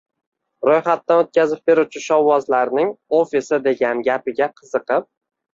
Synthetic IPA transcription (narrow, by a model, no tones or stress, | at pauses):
ɾojχat̪ːanot̪̚kʲʰazɪp̚be̞ɾut͡ʃʰɪʃɒwːɒzlaɾnɪŋofisɪd̪e̞ɡʲanɡʲapɪɡʲaqʰɨzɨqʰɨp̚